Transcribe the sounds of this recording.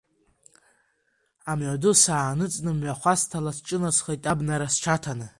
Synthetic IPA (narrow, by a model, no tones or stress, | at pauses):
amʕʷadusaːnɨt͡sʼnɨmɥaχʷastʰalast͡ʃʼɨnasχejtʼabnaɾast͡ʃʰatʰanɨ